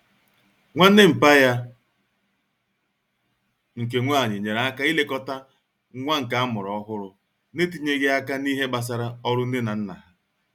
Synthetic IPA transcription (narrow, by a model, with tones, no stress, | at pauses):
ŋʷa˦n̩˦ne˦m̩˨pa˦ja˦ | ŋ̩˨k̬e˨ŋʷa˦˨ɲɪ˨ɲe˨ɾa˨a˦ka˦i˦le˦kɔ˦ta˦ | ŋʷa˦ŋ̩˨ka˨a˦mʊ˨ɾɔ˨˦ɦʊ˦ɾʊ˨ | ne˦t̬i˨ɲe˦ɣe˦a˦ka˦ni˦ɦe˦ɡ͡ba˨s̬a˨ɾa˦ɔ˦ɾʊ˦n̩˦dɪ˦na˨n̩˦na̰˨ɦa˦